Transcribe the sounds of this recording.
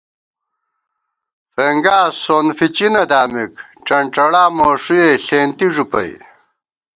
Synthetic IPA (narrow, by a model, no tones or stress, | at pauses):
feːŋɡaːsoːnfit͡ɕinɐd̪aːmik | ʈ͡ʂɐɳʈ͡ʂɐɽaːmoːʂujeɬeːnt̪iʐupɐ̰j